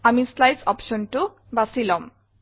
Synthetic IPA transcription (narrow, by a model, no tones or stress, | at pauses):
amislajsʌpʃɔnʈu | basilɔm